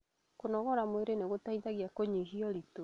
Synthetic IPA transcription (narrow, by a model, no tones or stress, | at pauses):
konɔɣɔɾamweɾeneɣotaiðaɣiakoɲiɦiɔɾito